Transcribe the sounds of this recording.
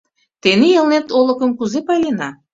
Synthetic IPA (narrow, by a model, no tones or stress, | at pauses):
t̪enejɤ̆lnet̪olə̆kəmkuzepɑjlenɑ